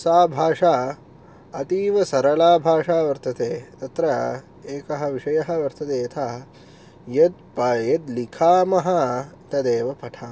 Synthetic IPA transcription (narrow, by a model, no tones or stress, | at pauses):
saːbʱaːʂaː | ɐt̪iːʋɐsɐɾɐlaːbʱaːʂaːʋɐɾt̪ɐt̪eːt̪ɐt̪ɾɐ | eːkɐɦɐ̆ʋiʂɐjɐɦɐ̆ʋɐɾt̪ʰɐd̪eːt̪ʰaː | jɐd̪̚pɐjɐd̪likʰaːmɐɦɐ | t̪ɐd̪eːʋɐpɐʈʰaː